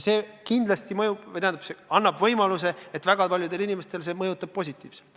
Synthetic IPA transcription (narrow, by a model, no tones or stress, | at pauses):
se̞ːkind̪lɑst̪imɤjub̥vjt̪eænɑpseɑnːɑbvɤjmɑluse̞et̪ːˑvæɡ̥ɑpɑlʲjud̪̥e̞linʲime̞st̪e̞lse̞ːmɤjut̪ːˑɑb̥̚pːo̞s̬ʲit̪ʲːˑiːv̥se̥lt̪